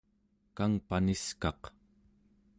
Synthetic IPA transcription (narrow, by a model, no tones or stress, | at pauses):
kaŋpaniskɑq